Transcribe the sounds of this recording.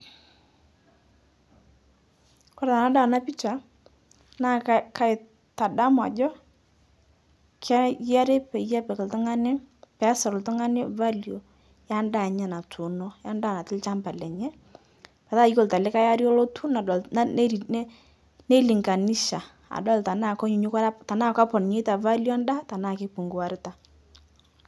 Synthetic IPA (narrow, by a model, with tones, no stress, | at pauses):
kɔ˦ɾa˨na˨˦da˦˨na˦pi˦t͡ʃa˨ | na˦˨kka˦ɪ˨ | ta˨da˦ma̰˨d͡ʒɔ˦ | kʰa˦ja˦ɾe˦pɛ˨ja˦pɛ˨kɪ˨ltʊ˦ŋa˦nɪ˦pɛ˨˦sɔ˨ɾltʊ˦ŋa˦nɪ˦va˦ljo˨ | ja˦nda˨ɲɛ˦˨na˨tʰu˨nɔ˦ja˦ndaː˦˨na˨tɪ˦lt͡ʃa˦mba˨lɛ˨ɲɛ˦ | pɛ˨ta˦jko˦˨lta˨lɪ˦ka˦ja˦ɾjɔ˦lɔ˦tʰu˦na˨˦ | ne˦li˨ŋɡa˨ni˦ʃa˨ | a̰˨dɔ˦lta˨na˦˨kɔ˦ɲu˨˦ɲʊ˦ka˦ta˨naː˦ka˦pɔ˨nɲe˦ta˨va˦ljɔ˦a˦nda˦ta˨naː˦˨kɪ˦pu˨ŋɡu˨wa˨ɾɪ˦ta˨